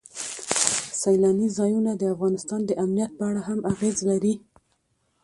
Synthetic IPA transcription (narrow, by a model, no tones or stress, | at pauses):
sajlɑnizɑjunad̪əafɣɑnɪst̪ɑnd̪əʔamnijat̪̚pəaɽaɦamʔaɣezlaɾi